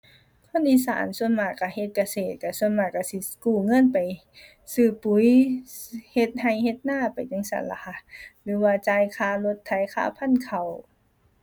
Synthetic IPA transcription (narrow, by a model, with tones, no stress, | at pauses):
kʰɔ˧˥˨nʔiː˧˨sa̰ː˨˦nsu˧ənmaː˧˩ka˧˩he˧t̪̚ka˧seː˨˩t̪̚ka˧˩su˧ənmaː˧˩ka˧˩si˧˦kuː˧˩ŋɤ˧˥˨npa˨˩j | sɯː˧˩pu˧˦j | he˧t̪̚ha˧˩jhe˧t̪̚naː˧˥˨pa˨˩jt͡ɕa˧˥˨ŋsa̰˨˦nla̰˧˩kʰa˧lɯː˨˦waː˧t͡ɕaː˧jkʰaː˧˩lo˧t̪ʰːa˧˩jkʰa̰ː˧˩pʰa˧˥˨nkʰa˨˩w